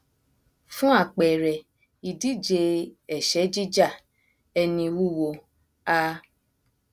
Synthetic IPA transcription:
fũ˦a˦˨k͡pɛ˨ɾɛ˨ | i˨di˨˦˨d͡ʒe˧ɛ˦˨ʃɛ˨˦d͡ʒi˦d͡ʒa˦˨ | ɛ˧nĩ˧wu˦˨wo˧ | a˦

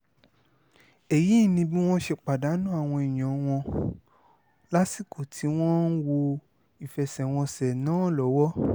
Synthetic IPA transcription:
e˨ji˨˦˨nĩ˧bĩ˦w̃ɔ̃˦ʃe˧k͡pa˨da˨˦nũ˦a˦˨w̃ɔ̃˧i˨j̃ã˨˦w̃ɔ̃˧ | la˦si˦˨kʰo˨tʰi˨˦w̃ɔ̃˦n̩˦wo˧ | i˨fɛ˨sɛ˨w̃ɔ̃˧sɛ˨nãː˨˦˨lɔ˨˦wɔ˦

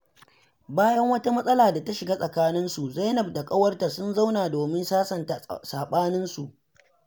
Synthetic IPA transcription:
baː˦jɐ˦ŋwɐ˦ta˦mɐ˦sʼɐ˦laː˨da˨ta˦ʃɪ˨ɡaː˦sʼɐ˨kaː˦nɪ˦nsu˨za˦nɐ˨b̚da˨kʼɐ˦wɐ˦rta˨sʊ˦nza˦wnaː˨doː˨mɪ˦nsaː˦sɐ˨nta˨saː˨ɓaː˦nɪ˦nsu˨ʔ

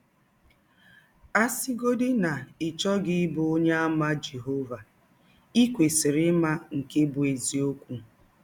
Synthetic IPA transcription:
a˦sɪ˦ɡo˦dɪ˦na˨ɪ˨t͡ʃɔ˦ɡɪ˦bʊ˨˦o˦ɲe˦a˦ma˦d͡ʒe˨ɦo˦va˨ | i˦kʷe˨sɪ˨ɾɪ˦ma˦ŋ̩˨ke˦bʊ˨e˨zi˨˦o˦kʷu˦

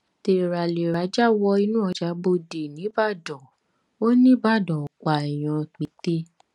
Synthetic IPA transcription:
te˧˨ɾa˨le˨ɾa˨˦d͡ʒa˦wɔ˧i˧nũ˦ɔ˧d͡ʒa˧˦bo˧de˨nĩ˨˦ba˦˨dɔ˨ | o˦nĩ˦ba˦˨dɔ˨ka˨ɛ˨j̃ɔ̃˧˨k͡pi˨˦te˦

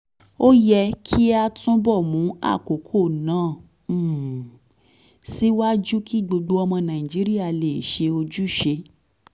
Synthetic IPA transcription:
o˦jɛ˧kʰi˦a˧tũ˦bɔ˦˨mũ˨˦a̰˦˨ko˨˦kʰo˦˨nãː˨˦˨ | si˦wa˦d͡ʒu˦kʰi˦˨ɡ͡bo˧ɡ͡bo˧ɔ˧mɔ̃˧nã˨ĩ˨d͡ʒi˨˦ɾi˦a˦˨le˨ʃe˧o˧d͡ʒu˦ʃe˧

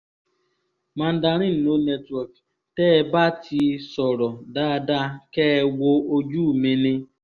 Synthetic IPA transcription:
mã˦n̩˦da˧ɾ̃ĩ˦n̩˨no˨˦nɛ˦twɔ˨k | tɛː˦ba˦tʰi˧sɔ˨ɾɔ˨da˦˧da˦kɛ˦wo˦o˦d͡ʒu˦˨mẽ˧˦nĩ˧

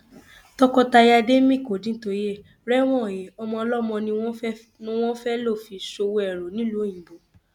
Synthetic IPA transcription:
tɔ˧kɔ˧ta˧ja˧de˦mĩ˦˨ko˨dĩ˨˦n̩˦to˨˦e˦˨ | ɾɛ˦w̃ɔ̃˦˨jɛ˨ɔ˧mɔ̃˧ɔ˧lɔ˦mɔ̃˧nĩ˧wɔ̃˦ | nĩ˦w̃ɔ̃˦fɛ˦lo˦˨fi˨ʃo˧wɛ˦˨ɾo˨nĩ˦lu˨˦ĩ˨bo˨˦

